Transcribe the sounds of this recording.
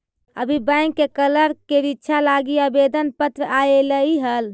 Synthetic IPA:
ə̰bʱibəɪ̃ŋkkːekələɾkeɾitːʃʰalaɡiabed̪ənpət̪ɾəajeləiɦəl

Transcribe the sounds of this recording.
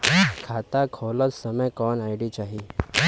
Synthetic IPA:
kʰaːt̪akʰoːlət̪səməjkɔːnaɪɖit͡ʃaːɦi

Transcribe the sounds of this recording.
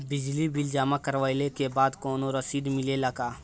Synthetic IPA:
bɪd͡ʒlibɪld͡ʒaːmakɐɾʋaːjlekebaːd̪koːnoɾɐsiːd̪mɪlelɐɡaː

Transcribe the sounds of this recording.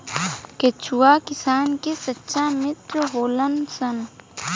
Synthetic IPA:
ket͡ʃʰuwaːkɪsaːnkesɐtːʃamɪt̪ɾɦoːlɐnsɐn

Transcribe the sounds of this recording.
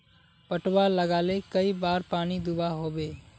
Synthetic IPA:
pəʈwaləɡaːlekəibaːɾpaːnid̪ʊbaɦoːbeː

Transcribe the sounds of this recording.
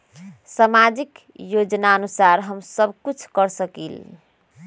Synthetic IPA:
samad͡ʒik | jod͡ʒnaənusaɾɦəmsəbʱkut͡ʃʰkəɾsəkḭl

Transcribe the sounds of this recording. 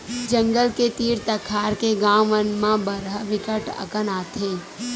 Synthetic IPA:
d͡ʒə̃ŋɡəlket̪iːɾt̪əkʰaːɾkeɡãːʋənmãbəɾɦəʋɪkəʈə̰kənaːt̪ʰeː

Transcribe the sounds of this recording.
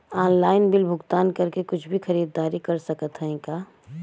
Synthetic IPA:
aːnlaːɪnbɪlbʱʊɡt̪aːnkɐɾkekʊt͡ʃʰbʱixɐɾiːd̪ːaːɾikɐɾsɐkət̪ɦɛ̃ẽkaː

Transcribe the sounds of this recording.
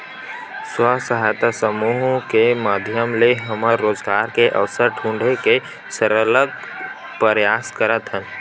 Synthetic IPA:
swəsəɦaːjt̪asəmuːɦõkemaːd̪ʱjəmleɦəməɾːoːzɡaːɾkeʔɐ̰ʋsəɾʈʰũːɳɖʱeke | səɾələɡ̚ | pəɾjaːskəɾət̪ɦən

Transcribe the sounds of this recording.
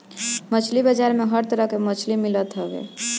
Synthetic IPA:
mət͡ʃʰlibəd͡ʒaɾmeɦəɾt̪əɾəɦkemət͡ʃʰlimilət̪ɦəbḛ

